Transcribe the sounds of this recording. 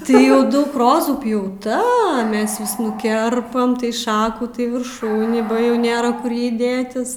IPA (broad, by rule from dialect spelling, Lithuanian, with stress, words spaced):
tɐɪ ˈjɛʊ ˈdɐʊk ˈroːzuː pʲjɛʊˈtɐ ˈmʲɛs ʋʲɪs nʊˈkʲɛrpɐm tɐɪ ˈʃɑːkuː tɐɪ ʋʲɪrˈʃuːnʲiː bɐ ˈjɛʊ ˈnʲeːrɐ ˈkʊr ˈjɛɪ ˈdʲeːtʲɪs